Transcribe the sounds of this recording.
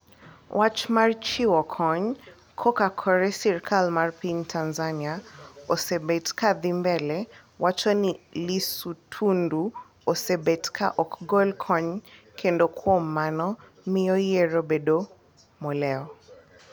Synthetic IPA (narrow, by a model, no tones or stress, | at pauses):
wʔat͡ʃmart͡ʃiwɔkʰɔɲ | kʰɔkakʰɔɾɛsɛɾkʰalmarpiɲtʰanzaniaosebetkad̪imbɛlɛ | wʔat͡ʃɔnilisutʰundu | osebetkʰa̰ʔɔkɡɔlkʰɔɲ | kʰendokʰwɔmanɔ | miɔjeɾobedo | mɔlɛɔ